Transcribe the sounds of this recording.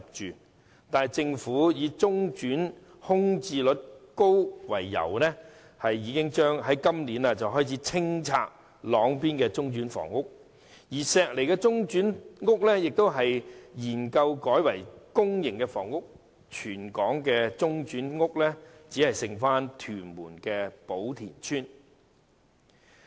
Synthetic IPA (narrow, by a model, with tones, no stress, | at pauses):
t͡ʃyː˨ | t̪aː˨n˨jt͡sɪ˧ŋfuː˨˥jiː˨˧t͡sʊ˥ŋt͡ʃyː˨˥n | hʊ˥ŋt͡siː˧lɵ˨˥t̚ko˥wwɐ̰˨˩jːɐ̰˨˩wnɛː˥ | hɐ˨jːiː˨˧˥kɪ˥ŋt͡ʃœː˥ŋɦɐ˨˥jkɐ˥mliː˨˥nɐ˧t͡sɐ˨wɦɔː˥jt͡sʰiː˨˥t͡sʰɪ˥ŋt͡sʰa̰ː˧k̚ | lɔː˨˥ŋpiː˥nkɛː˧t͡sʊ˥ŋt͡ʃyː˨˥nfɔ̰ː˨˩ŋːʊ˥k̚ | jiː˨˩sɛː˧k̚le˨jkɛː˧t͡sʊ˥ŋt͡ʃyː˨˥nŋʊ˥k̚lɛː˥jɪ˨k̚t̪o˥wɦɐ˨jjiː˨˩nkɐ˧wkɔː˨˥jwɐ˨˩jkʊ˥ŋjɪ˨˩ŋkɛ˧fɔ̰ː˨˩ŋʊ˥k̚ | t͡ʃʰyː˨˩nkɔː˨˥ŋkɛː˧t͡sʊ˥ŋt͡ʃyː˨˥nŋʊ˥k̚lɛː˥t͡siː˨˥hɐ˨jsɪ˨ŋfaː˥nt̪ʰyː˨˩nmuː˨˩nkɛː˧po˨˥wt̪ʰḭː˨˩nt͡ʃʰyː˥n